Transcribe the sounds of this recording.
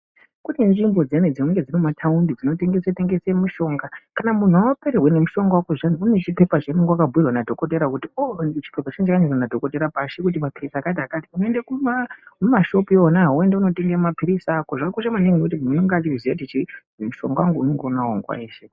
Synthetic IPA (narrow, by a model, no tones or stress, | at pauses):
kutinʐimbo̞d͡zened͡zinuŋɡe̞d͡zinimatʰaundid͡zino̞te̞ŋɡeseteŋɡesemuʃo̞ːŋɡakanamun̤uawopeɾerwene̞muʃo̞ŋɡawakoʐaniunet͡ʃipe̞pat͡ʃemuŋɡwakabʱuirwanadʱo̞ko̞t̬eɾakutiot͡ʃi̥pe̞pat͡ʃinet͡ʃakaɲorwanadʱo̞ko̞te̞ɾapaʃekut̬imapirisaːkat̬iakatiunoendekumammaʃo̞puonaue̞ndeuno̞te̞ŋɡeamapiɾisakoʐakuʃamaneŋɡinekutimunoŋɡat͡ʃiuzijatit͡ʃi | muʃo̞̰ŋɡawaŋɡuunoŋɡonao̰ŋɡwa̰iːʃe